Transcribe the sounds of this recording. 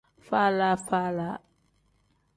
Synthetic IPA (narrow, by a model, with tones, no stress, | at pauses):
fa˦la˦fa˦la˦